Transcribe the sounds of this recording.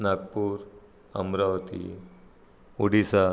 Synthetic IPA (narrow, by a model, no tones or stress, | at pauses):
naɡ̚puːɾ | ə̰mɾaʋət̪ḭ | uɽisa